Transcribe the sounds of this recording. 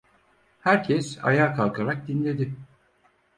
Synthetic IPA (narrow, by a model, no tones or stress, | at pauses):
hæɾcʰɛsa̰jaːkʰalˠkʰaɾak̚d̪inlʲe̞d̪ɪ